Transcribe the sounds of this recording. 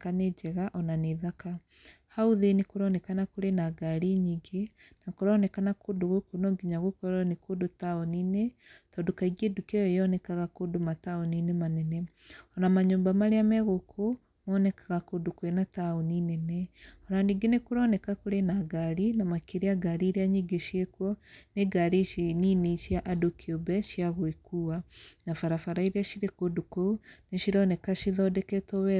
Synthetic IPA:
kaned͡ʒɛɣaʔɔnaneðaka | hauðenekoɾɔnɛkanakoɾenaɡaɾiɲiːɡe | nakoɾɔnɛkanakodoɣokonɔɡiɲaɣokɔɾanekodotaoniːne | tɔːndokaiɣiedukɛjɔejɔnɛkaɣakodomataoninemanɛnɛɔnamaɲoːmbamaɾeamɛɣokʰo | mɔnɛkaɣakodukwenataoninɛnɛɔɾandiɡenekuɾɔnɛkakoɾenaɡaɾinamakeɾeaɡaɾiɾeaɲiɡeʃiekwɔneɡaɾiʃininiʃjaʔadokiobɛʃjaɣwekuanafaɾafaɾaiɾiaʃiɾekodukoneʃiɾɔnɛkaʃiðɔdɛkɛtɔwɛ

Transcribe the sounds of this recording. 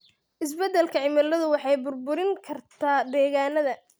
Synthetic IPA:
ʔɪs̬bɛd̪ɛlkʰɐʕɪmɐlɐðʊwɑħɑjbʊrbʊɾɪŋkʰɐrt̪ʰaːd̪ɛːɣaːnɐðɐ

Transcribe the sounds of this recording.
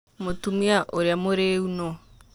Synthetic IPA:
motumiaʔoɾjamoɾeunɔ

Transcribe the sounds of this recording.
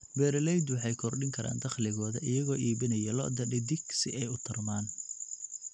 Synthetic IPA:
bɛːɾlɛjd̪wɑħɑjkʰɔrɖɪŋkʰɐɾa̰ːnd̪ɐχlɪɣɔːðɐʔɪjɐɣɔːiːβɪnɐjɐlɔ̰ʔd̪ɐɖɪd̪ɪɡsɪɛjʊt̪ʰɐrmaːn

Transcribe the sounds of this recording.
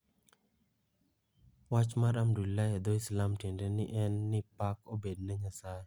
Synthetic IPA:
wat͡ʃmaɾamɖulːajad̪ojslamʈiɛnɖeniʔɛnːipakobed̚nəŋəsaɾ

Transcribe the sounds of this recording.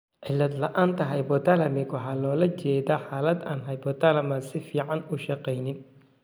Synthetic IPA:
ʕɪlːɐd̪lɐʔaːnt̪ʰɐɦɐjbɔt̪alɐmɪɡwɑħɑːlɔːlɐt͡ʃɛːðaħɑːlɐd̪aːnɦɐjbɔt̪ʰɐlɐmɐsɪfiːʕɑnʊʃɑqɛjnɪn

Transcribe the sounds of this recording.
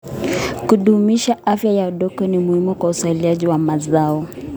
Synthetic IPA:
kuɗumiʃaʔafjajauɗɔkɔnimuhimukwauswailiaʄiwamazaɔ

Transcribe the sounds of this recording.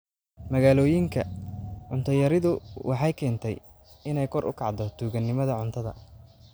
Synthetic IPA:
mɐɣaːlɔːjɪŋkʰɐʕʊnt̪ʰɐjɐɾɪðʊwʔɑħɑjkʰɛːnt̪ʰɛ̰j | ɪnɛjkʰɔrʔʊ̰kʰɑʕd̪ɔt̪ʰuːɣɐnːɪmɐðɐʕʊnt̪ʰɐðɐ̰

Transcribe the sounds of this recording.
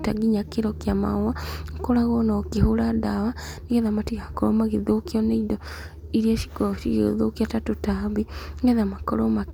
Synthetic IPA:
taɡiɲakeɾɔkeama̰wakoɾaɣɔnakehoɾadawaneɣɛðamatiɣaakɔɾɔmaɣeðokiɔneidɔ | iɾiɛʃi̥kɔɔʃḭɣeɣḛðo̰kiatatotaβiɣɛðamakɔɾɔma

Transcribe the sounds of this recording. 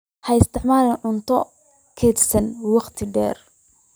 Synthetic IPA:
hɐɪst̪ʰɪħmaːlɐnʕʊnt̪ʰɔ | kʰɛːd̪sɐnwɑχt̪ʰɪɖɛ̰ːr

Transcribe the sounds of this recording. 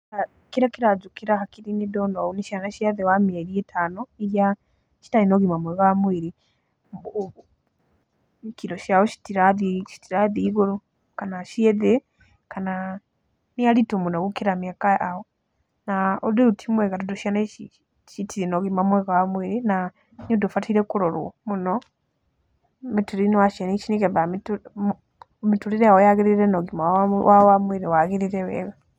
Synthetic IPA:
a | kiɾakiɾad͡ʒukiɾahakiɾinidonouniʃanaʃiaðewamieɾietʰaːnoija | ʃi̥taɾinoɡimamweɣamwiɾi | kiɾoʃawoʃi̥tiɾaðiʃi̥tiɾaðiɡuɾu | kanaʃieðe | kana | nialitomunoɡukiɾamiakaaho | naodiutʰimweɣatuduʃanei | ʃitiɾinoɣimamweɣawamwiɾina | ɲudufatʰiɾekuɾoɾuo̰muno | mituɾinowaʃianit͡ʃinikeβamit | mituɾiɾeaojaɣiɾiɾenoɣimawʔawamwiɾiwaɣiɾiɾewḛɣa

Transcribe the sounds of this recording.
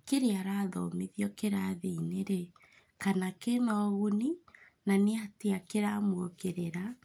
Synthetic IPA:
keɾeaɾaːðɔ̰meðjɔkeɾaðeːneɾe | kanakenɔɣuni | naneateakeɾamwokeɾeɾa

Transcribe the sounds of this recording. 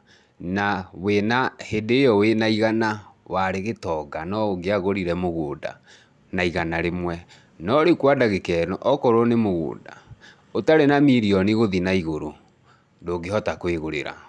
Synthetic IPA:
nawenahedeːjɔwenaiɣanawaɾeɣetɔɡanɔoɡeaɣoɾiɾɛmoɣoːda̰ | naiɣanaɾemwɛ | nɔɾekwadaɣekɛnɔʔɔkɔɾonemoɣo̰ːda̰ | otaɾenamiɾiɔniɣoðinaiɣoɾo | ndoːɡeɦɔtakweɣoɾḛɾa̰

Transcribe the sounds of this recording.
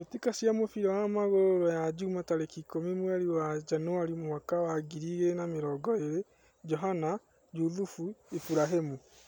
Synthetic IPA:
etikasjamofiɾawamaɣooɾɔjad͡ʒumatalekikomimwaɾiwad͡ʒanuaɾimowakawaɡiɾiɣenameɾɔɡɔeɾe | d͡ʒɔɦana | juðufuifuɾaɦemu

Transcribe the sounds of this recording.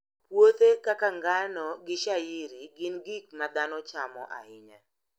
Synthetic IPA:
pwot̪ekakaŋɡanɔɡɪʃajɪɾiɡɪnɡik̚mad̪anɔt͡ʃamɔ̰ʔa̰ɪɲa

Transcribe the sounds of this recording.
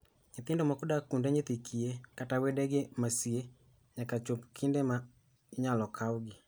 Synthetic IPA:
ŋɪt̪ɪndɔmakʊdakːundeɲɪt̪ikʰiekatawedɛɡɪmasie | ɲakat͡ʃopkʰindema | ɲalɔkʰawɡɪ

